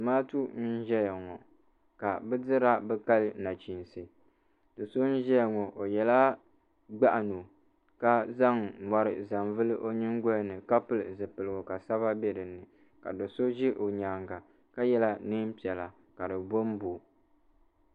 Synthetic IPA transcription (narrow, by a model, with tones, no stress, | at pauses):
dɨ˨maː˦tu˦n̩˦n˦ʒɛ˦ja˨ŋɔ˨ | ka˨bɨ˦dɨ˦ɾa˦bɛ˦ka˦lna˨t͡ʃi˨n˨sɨ˨ | d̥ɨ˨so˦n̩˦ʒɛ˦ja˨ŋɔ˨ʔo˨jɛ˨la˦ | ɡ͡ba˦ʔa˨no˨ | ka˦za˦ŋma˨ɾɨ̰˨za˨mvɨ˦lɨ˦ʔo˦ɲɨ˦ŋɡɔ˦nɨ˨ka˦pɨ˦lɨ˨zɨ˨pɨ˨lɨ˨ɡo˨ka˨sa˦βa˦bɛ˦dɨ˨nɨ˨ | ka̰˨do˨so˦ʒi˦ʔo˨ɲaː˨ŋɡa˨ | ka˦jɛ˦la˦nɨ˦m˦pi˨ɛ˨la˨ | ka˨dɨ˨bo˦m˦bo˨